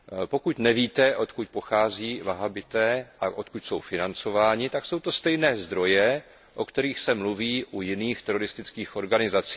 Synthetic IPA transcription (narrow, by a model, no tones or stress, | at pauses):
po̞kucnɛviːt̪ɛʔo̞t̪kuc̚po̞xaːziːvaɦabɪt̪ɛːʔaʔo̞t̪kucso̞̰wfɪnant͡so̞vaːɲɪt̪akso̞wt̪o̞st̪ɛjnɛːzd̪ɾo̞jɛ | ʔo̞kt̪ɛɾiːxsɛmluviːʔujɪniːxt̪ɛɾo̞ɾɪst̪ɪt͡skiːxʔo̞ɾɡanɪzat͡siː